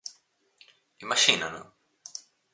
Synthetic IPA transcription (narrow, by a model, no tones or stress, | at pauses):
imat͡ʃinano̰